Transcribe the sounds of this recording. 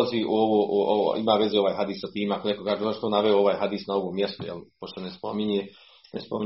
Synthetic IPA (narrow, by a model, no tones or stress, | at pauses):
ziʔṵoʋoːʔuo̰ḭmaːʋezeo̞ʋaːjɦad̪iːsːat̪iːmakolekokaːʒeozaʃt̪onaʋeooʋaːjɦad̪isnaoʋoːmjest̪ujḛlpoʃt̪onespomiɲe | nespomi